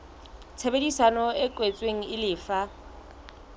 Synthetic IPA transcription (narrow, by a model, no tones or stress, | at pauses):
t͡sʰebedisanɔɪkʼwet͡sʼweŋ̩ɪlɪːfa